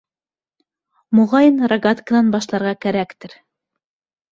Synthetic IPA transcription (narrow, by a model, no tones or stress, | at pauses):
mŏʁɑjɤnraɡat̪kə̆nɑnbɑʃlˠɑɾʁɑkæɾækt̪ɘɾ